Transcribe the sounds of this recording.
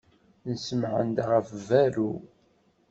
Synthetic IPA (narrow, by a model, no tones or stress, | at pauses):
nəsəmʕə̰nd̪ʁəfvæɾu